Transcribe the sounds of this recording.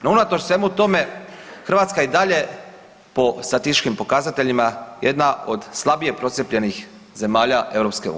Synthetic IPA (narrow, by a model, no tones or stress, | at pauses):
nounat̪ot͡ʃsʋe̞mut̪o̞me̞xr̩ʋat̪skaid̪aʎe̞ | po̞st̪at̪ist̪it͡ʃkimpo̞kazat̪e̞ʎimajed̪nao̞d̪slˠabije̞pɾo̞t̪sjepʎe̞nix | ze̞maːʎaʔe̞vɾo̞pskeṵː